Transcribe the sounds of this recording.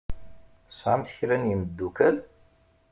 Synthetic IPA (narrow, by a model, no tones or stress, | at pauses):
θəsˤʕamt̪çɾænjiməd̪ːukæl